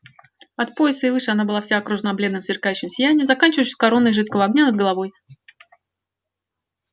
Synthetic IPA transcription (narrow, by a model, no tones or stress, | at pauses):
ɐt̪̚po̞jɪsəɪvɨʂɨɐnabɨlˠafsʲaɐkɾuʐɨnɐblʲe̞d̪nəmzʲɪrkajʉɕːɪmsʲɪjænʲɪjəzɐkanʲt͡ɕɪvəjɕʲskɐɾo̞nːəjʐɨt̪̚kəvəɐɡ̚nʲanəd̪̚ɡəlˠɐvo̞j